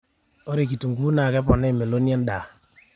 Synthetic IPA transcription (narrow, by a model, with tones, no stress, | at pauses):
o˦ɾe˨k̬i˨tu˨ŋɡu˦na˨kɛ˦pɔ˨nɛ˦˨me˨lo˦ni˦a˦n˦da˨